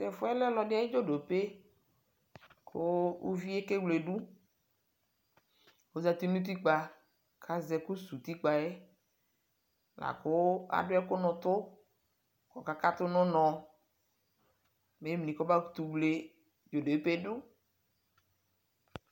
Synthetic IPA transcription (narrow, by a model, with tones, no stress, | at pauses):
sɛ˨fʊ˦ɛ˦lɛ˦lɔ˨ɖɪ˦a˨˦e˦d͡ʒo˦ɖo˨pe˦ | kʰʊ˦ṵ˦vi˦e˦ke˦wle˨ɖu˦ | wo˦za˦t̪i˦nũ˦t̪̬i˦k͡pa˨ | kʰa˨zɛ˨ku˦su˨t̪i˦k͡pa˨e˦ | la̰˨kʊ˦a̰˨ɖʊ˦ɛ˦kʊ˦nʊ̃˨t̪ʊ˦ | kɔ˨ka˦ka˦t̪ʊ˦nʊ̃˦nɔ̃˨ | me˨˦mnĩ˨kɔ˦ba˦ku˦t̪u˨wle˨ | d͡ʒo˨ɖo˨e˦pe˦ɖʊ˦